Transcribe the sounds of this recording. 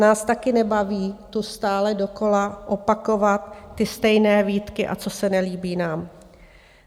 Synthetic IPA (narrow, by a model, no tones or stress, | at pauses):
naːst̪akɪnɛbaviːt̪ust̪aːlɛdo̞ko̞laʔopako̞vat̪ːɪst̪ɛjnɛːviːt̪kɪʔa̰t͡so̞sɛnɛliːbiːnaːm